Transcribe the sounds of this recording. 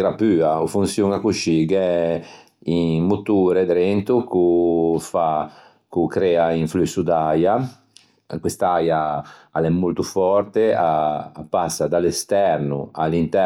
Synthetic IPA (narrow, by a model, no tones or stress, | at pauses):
ɡɾapyːaufunsjuŋakuʃiɡɛ | imut̪uɾɛd̪ɾɛnt̪ukufa | kukɾɛːaiɱflusud̪aja | kwist̪aja | a̰lɛmːult̪ufɔɾt̪eaːpːasːad̪alɛst̪ɛɾnṵa̰lint̪ɛ